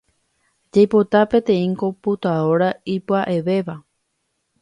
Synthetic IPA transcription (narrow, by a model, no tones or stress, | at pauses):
d͡ʒajpo̞t̪apẽ̞t̪ẽ̞ĩŋko̞put̪aoɾaipɨaʔe̞ʋe̞ʋa